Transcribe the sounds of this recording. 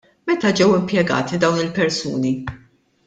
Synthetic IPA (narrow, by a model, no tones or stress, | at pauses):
mɛt̪ɐd͡ʒɛwɪmpjɛɡɐ̰ːt̪id̪ɐwnɪlpɛɾsṵːni